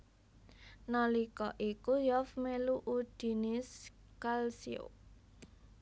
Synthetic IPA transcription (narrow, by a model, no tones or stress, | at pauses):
nalikɔʔikujɔfmeluʔud̪̥i̤nɪs | kalsio̰